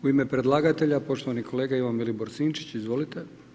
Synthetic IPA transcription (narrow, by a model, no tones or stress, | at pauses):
uimepɾed̪lˠaːɡat̪eʎapo̞ʃt̪o̞ʋanikʰo̞le̞ːɡaiʋanmiliboɾsiːnt͡ʃi̥t͡ɕizʋo̞lit̪e